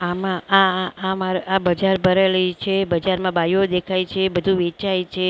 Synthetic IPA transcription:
amãaːmaɾabəd͡ʒaɾbʱəɾeləjt͡ʃʰebəd͡ʒaɾmãbajod̪ekʰajt͡ʃʰebəd̪ʱũʋet͡ʃajt͡ʃʰe

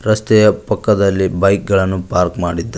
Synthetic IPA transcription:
ɾɐst̪ɛjɐpɐkːɐd̪ɐlːibɐjk̚ɡɐɭɐnːupaːɾkmaːɽid̪ːɐ

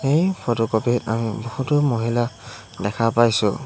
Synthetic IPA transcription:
ejpʰɔtɔkɔpita̰mibɔhutʊmoɦila | dɛkʰapajsʊ̰

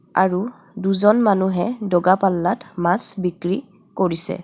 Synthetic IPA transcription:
a̰ɹu | duzɔnmanuɦɛdɔɡapalːatmasbikɹi | koɹisɛ̰

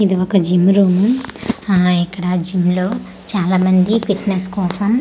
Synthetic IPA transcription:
id̪iɔkɐd͡ʒimɾuːmu | ikːɐɽɐd͡ʒimlo̞ː | t͡ʃaːlaːmɐnd̪ipiʈneskɔːsɐm

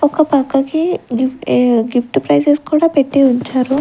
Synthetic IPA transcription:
ɔkɐpɐkːɐkiɡiɡifʰʈupɾɐjseskuːɽaːpeʈːiuɲt͡ʃaːɾu

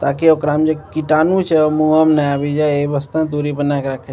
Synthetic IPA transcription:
t̪aːkeokɾaːmd͡ʒekiʈaːnũt͡ʃʰeomũamnaaːʋid͡ʒajeʋəst̪ũt̪uɾipənakɾakʰe

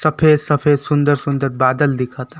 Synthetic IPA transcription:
sɐpʰeːd̪sɐpʰeːd̪sʊ̃nd̪əɾsʊ̃nd̪əɾbaːd̪əld̪ɪkʰaːt̪a

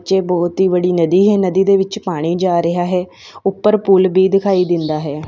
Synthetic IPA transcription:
ʃeːbɔːt̪iːbəɽiːnəd̪iːɦɛːnəd̪iːd̪eːʋɪt͡ʃpaːɽ̃iːd͡ʒaːɾɪɦaːɦɛː | ʊpːəɾpuːlbiːd̪ɪkʰaːiːd̪ɪnd̪aːɦɛː

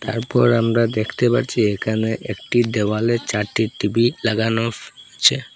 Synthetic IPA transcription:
t̪a̰ɾpɔɾamɾad̪ekʰt̪epa̰ɾt͡ɕʰiekʰaneʔekʈiɖ̪ewalet͡ɕaɾʈiʈibilaɡanofat͡ɕʰe

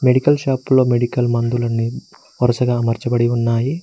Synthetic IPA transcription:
me̞ɽikɐlʃaːplo̞ːmeɽikɐlmɐnd̪ulɐnːi | ɔɾɐsɐɡaːmɐɾt͡ʃɐbɐɽiunːaːji

